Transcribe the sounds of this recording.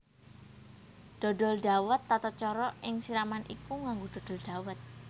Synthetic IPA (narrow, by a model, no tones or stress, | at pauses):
ɖ̪̥ɔ̤ɖɔ̤lɖa̤wət̪ːat̪ɔt͡ʃɔɾɔʔɪŋsiɾamanʔikuŋaŋɡod̥ɔ̤d̥ɔ̤ld̪̥a̤wət̪̚